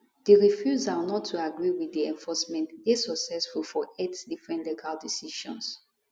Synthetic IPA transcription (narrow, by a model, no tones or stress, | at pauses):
deɹifjuzanɔtʰːuaɡɹiwiðiɛ̃ɱfɔsmɛ̃ntdesaksɛsfulfɔɛtsdifɹɛ̃ndɛkʰadisiʃɔ̃ns